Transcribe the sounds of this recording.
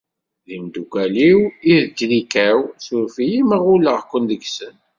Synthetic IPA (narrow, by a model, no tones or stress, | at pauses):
ðimd̪ukʷæliwiðd͡ʒlikæwsuɾfijiməʁuləʁkʷːənd̪əɡsən